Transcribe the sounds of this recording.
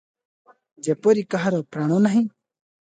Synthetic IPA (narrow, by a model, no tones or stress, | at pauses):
d͡ʒepoɾikaɦaɾɔpɾaɽ̃õnaɦĩ